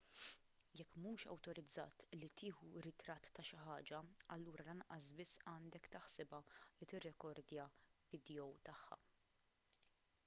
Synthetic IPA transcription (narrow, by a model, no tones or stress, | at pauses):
jɛkːmuːʃɐ̰wt̪ɔɾɪd͡zːɐ̰ːt̪lit̪ɪːħuɾɪt̪ɾɐt̪ːɐʃɪħɐːd͡ʒɐɐlːuːɾɐlɐnɐʔɐsbɪsːɐːnd̪ɛkt̪ɪħsɪbɐlit̪ɪrːɛkɔɾd̪jɐvɪd̪jɔwt̪ɐħːɐ̰